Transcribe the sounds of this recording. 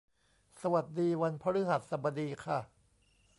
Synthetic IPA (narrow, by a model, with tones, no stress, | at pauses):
sa˧wa˨˩t̪̚diː˧wa˧npʰa˦˥ɾɯ˦˥ɦa˨˩t̪̚sa˨˩ba˧diː˧kʰa˥˩